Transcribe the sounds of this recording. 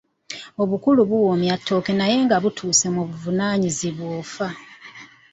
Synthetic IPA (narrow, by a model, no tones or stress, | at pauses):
o̞βukuluβuwomjatːo̞kenaje̞ːŋɡaβutʰuːse̞muβuvunaːɲiziβwoːfa